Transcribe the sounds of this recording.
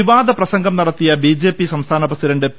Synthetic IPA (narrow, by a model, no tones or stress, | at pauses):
iʋaːd̪ɐprɐsɐŋɡɐmnɐɽɐt̪ːijɐbid͡ʑe̞ːpːisɐmst̪ʰaːnɐbɐsiɾɐɳɖep